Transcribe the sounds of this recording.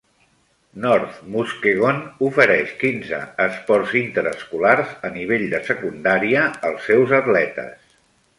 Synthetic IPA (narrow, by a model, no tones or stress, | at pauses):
nɔɾt̪muskeɣonufəɾɛʃkinzə̰əspɔrzint̪əɾə̰skularzəniβ̞eʎd̪əsəkund̪aɾiəəlˠsːɛwzət̪lɛt̪ə̰s